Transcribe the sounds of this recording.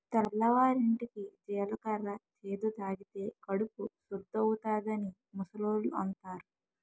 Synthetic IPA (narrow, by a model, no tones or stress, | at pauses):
t̪ɐlːɐʋaːɾiɳʈikid͡ʒɛːlɐkɐɾɐt͡ʃʰeːd̪ud̪aːɡit̪eːkɐɽupusud̪ːɐwut̪aːd̪ɐni | musɐloːɾluɐnt̪aːɾu